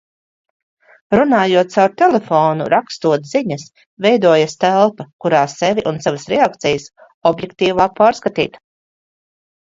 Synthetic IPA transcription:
ɾunaːjuɔt̪̚sawɾt̪ɛlefoːnṵɾakst̪uɔt̪ziɲɐs | vɛjd̪uɔjast̪ælˠpɐkuɾaːsevʲiʔunsavəsɾɛak̚t̪sɛjəs | ɔbjekt̪iːvaːk̚paːɾskat̪ḭːt̪

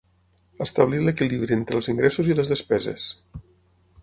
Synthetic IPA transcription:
əst̪aβliləkiliβɾient̪ɾəlˠziŋɡɾɛsuziləzðəspɛzə̰s

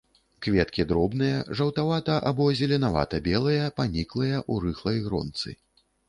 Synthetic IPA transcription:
kvʲɛt̪kʲid̪ɾɔbnɨjɐʐɐwt̪avat̪ɐʔabɔzʲɛlʲɛnava̰t̪ɐbʲɛlˠɨjɐpanʲiklˠɨjɐʔuɾɨxlˠɐjɣɾɔ̰nt̪sɨ̰

